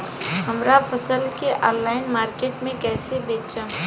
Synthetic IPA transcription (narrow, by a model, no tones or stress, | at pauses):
ɦɐmɾapʰəsəlkeʔɔːnːaːɪnmaːɾkeːʈmẽkɛːsebeːt͡ʃa